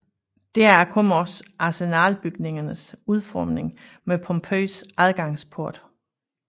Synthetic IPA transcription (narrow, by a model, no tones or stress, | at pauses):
d̥eɐæɐkʰomɒsʔɑ̈senæːlb̥yɡ̥ne̝ŋɐnəsuð̞ˠfɒ̰ːmneŋ | mepʰɒ̽mpʰø̰ːsæðˠɡ̥ɑ̈ŋspʰoɐd̥